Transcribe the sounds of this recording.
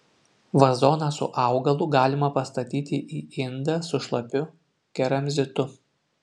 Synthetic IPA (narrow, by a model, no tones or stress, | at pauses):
ʋɐzoːnɑsʊ̰ʔɑˑʊɡɐlˠʊɡɑːlʲɪmɐpɐst̪ɐt̪ʲiːt̪ʲɪʔiːɪnd̪ɑsʊʃlˠɐpʲʊ | kʲɛɾɐmʲzʲɪt̪ʊ